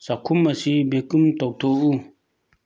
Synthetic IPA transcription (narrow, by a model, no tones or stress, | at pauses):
sakʰumːasibekɨmtoʔ̚tʰoʔu